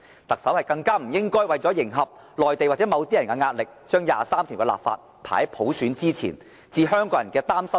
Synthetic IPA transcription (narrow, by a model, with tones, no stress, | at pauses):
t̪ɐ˨k̚sɐ˨˥whɐ˨jkɐ˧ŋkaː˥m̩˨˩jɪ˥ŋkɔː˥jwɐ˨jt͡sɔ˨˥jɪ˨˩ŋɦɐ˨p̚ | lɔː˨˩jt̪e˨jwa˨t͡sɛ˨˥mɐ˨˧wt̪iː˥jɐ˨˩nkɛ˧ŋaː˧t̚lɪ˨k̚t͡ʃœː˥ŋja̰ː˨saː˥mt̪ʰiː˨˩wkɛ˧la̰ː˨pfa̰ː˧t̚ | pʰa̰ː˨˩ɐ˨˦jpʰo˨˥wsyː˨˥nt͡siː˥t͡sʰḭː˨˩n | t͡siː˨˧ɦœː˥ŋkɔː˧˥jɐ˨˩nkɛː˧t̪aː˥msɐ˥